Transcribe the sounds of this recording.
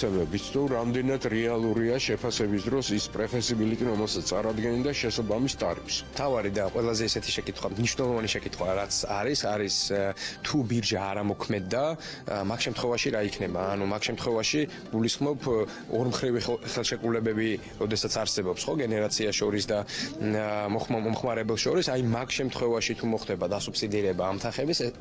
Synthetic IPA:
ɛmɛbit̪st̪ʰuɾamd̪ɛnad̪ɾɛalˠuɾiaʃɛpʰasɛbisd̪ɾɔsispʼɾɛpʰɛsibilit̪ʼiɾɔmɛlˠsat̪sʰt̪ʼaɾad̪ɡɛnd̪aʃɛsabamist̪ʼa̰ɾipsm̥t̪ʰavaɾid̪aqʼwɛlˠazɛisɛt̪ʰi̥ʃɛkʼit̪ʰχwamniʃwnɛlˠɔvaniʃɛkʼit̪ʰχwaɾat̪sʰaɾisaɾist̪ʰubiɾd͡ʒaaɾamɔkʰmɛd̪ːa | makʃɛmt̪ʰχwɛvaʃiɾaikʰnɛbaːnumakʰʃɛmt̪ʰχwɛvaʃi | ɡ̥ulisχmɔpʰ | ɔɾmχɾiviχɛlˠʃɛkʼulɛbɛbi | ɾɔd̪ɛsat̪sʰaɾsɛbɔpsχɔɡɛnɛɾat̪sʰiaʃɔɾisd̪a | mɔχɔmχmaɾɛbɛlˠʃɔɾisajmakʰʃɛmt̪ʰχwɛvaʃit̪ʰumɔχd̪ɛbad̪asupsid̪iɾɛbaːmt̪ʰaχɛbisɛ

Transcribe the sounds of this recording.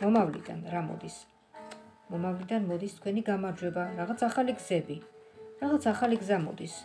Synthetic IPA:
mɔmavlḭd̪a̰nɾamɔ̰d̪is | mɔmavlid̪anmɔd̪ist̪ʰkʰwɛniɡamaɾd͡ʒwɛbaɾaʁat̪sʰaχaliɡzɛbiɾaʁat̪sʰaχaliɡzamɔ̰d̪is

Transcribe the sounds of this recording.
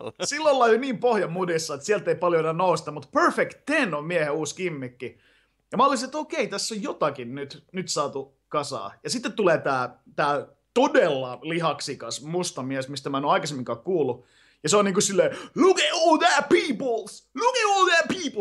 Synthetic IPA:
silːolːɑliniːmpohjɑmudisːɑet̪siælt̪ːˑeipɑljoenænnoust̪ɑmut̪pøɹfekt̪ːenommiæheuːskimːikːi | jɑmɑɑlisinet̪oːkeit̪æsːojjot̪ɑkinnyt̪nyt̪sɑːt̪u | kɑsɑ̰ːjɑsit̪ːet̪t̪ːuleːt̪æːt̪æː | t̪odelːɑliɦɑksikɑsmust̪ɑmiæsmist̪æmæˑenoɑikɑsemːiŋkɑːkkuːlːu | jɑseoniːŋkusilːeːlukeolðæpiːpl̩slukeolˠðætpiːp

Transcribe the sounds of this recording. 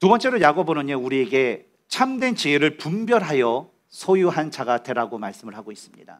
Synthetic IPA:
tubʌnt͡ɕ͈e̞ɾojaɡobonɯɲʌuɾie̞ɡe̞ | t͡ɕʰamdwe̞nt͡ɕieɾɯɭpumbjʌɾɦajʌ | sʰʌjuɦant͡ɕaɡatʰe̞ɾaɡomaɭs͈ɯmɯɭɦaɡois͈ɯmɲḭda̰

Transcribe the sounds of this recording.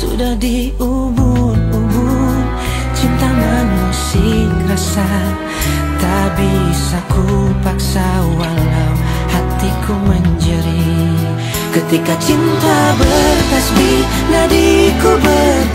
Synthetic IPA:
sṵdahdi | u | bunubun | t͡ʃint̪aŋanmasiŋɾasa | t̪a | bisakupaksaalaw | hat̪ikʰuməɲd͡ʒəɾi | kət̪ikat͡ʃint̪abərkasbi | ladikubər

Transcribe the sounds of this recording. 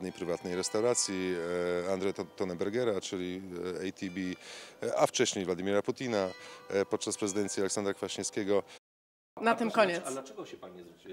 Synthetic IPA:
d̪nɛjpɾɘvat̪nɛjɾɛst̪awɾat̪sʲjiand̪ʐɛjt̪ɔnɛbɛɾɡɛɾat͡ʂɘlʲiɛjt̪ʰʲibʲi | aft͡ʂɛɕɲejvlad̪imʲɛɾaput̪ʲinapɔt̪̚t͡ʂaspɾɛzɨd̪ɛnsʲjialɛksand̪ɾakfaɕiɲ̃skʲeɡɔ | nat̪ɨmkɔɲɛɛɡɔɕɛpaɛz

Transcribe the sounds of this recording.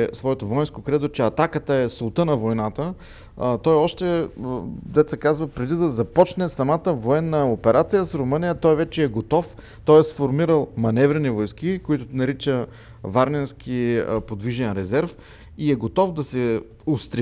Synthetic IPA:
svɔɛt̪ovɔjɛnskokɾɛd̪ot͡ʃɛɐt̪akət̪əɛsolˠt̪ənɐvojnat̪ə | t̪ɔjɔʃt̪ɛ | d̪ɛt̪sɛkazvəpɾɛd̪id̪ɐzɐpɔt͡ʃnɛsɐmat̪əvoɛnːəopɛɾʔat̪sijəsɾʊmɤnijət̪ɔjvɛt͡ʃɛɛɡot̪ɔf | t̪ɔjɛsfoɾmiɾəlˠmɐnɛvɾɛnivojsk̟ikoit̪ʊnɐɾit͡ʃə | vaɾnɛnsk̟ʰipod̪viʒɛnɾɛzɛɾf | iɛɡot̪ɔfd̪ɐsɛ | ʊst̪ɾɛ

